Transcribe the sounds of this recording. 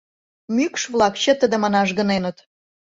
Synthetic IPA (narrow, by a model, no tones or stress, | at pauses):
mykʃβlˠɑkt͡ɕət̪əd̪ə̆mɑnɑʃɣə̆nenət̪